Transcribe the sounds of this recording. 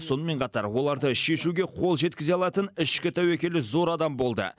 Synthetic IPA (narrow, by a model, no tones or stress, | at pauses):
so̞nəme̞ɴqʰɑt̪ɑɾwo̞lˠɑɾd̪əʃe̞ʃuɡʲe̞qʰo̞lˠʒe̞t̪̚kʲɪzeɑlˠɑt̪ənɪʃkʲɪt̪ʰɑwekʲe̞lɪzo̞ɾɑd̪ɑmbo̞lˠd̪ə̰